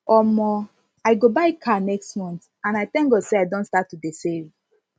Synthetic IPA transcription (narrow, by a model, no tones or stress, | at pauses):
ɔmɔ | aɪɡobaɪkʰanɛkstmɔ̃nt | ãnaɪtɛ̃ŋɡoseaɪdɔ̃nstatːudeseɹi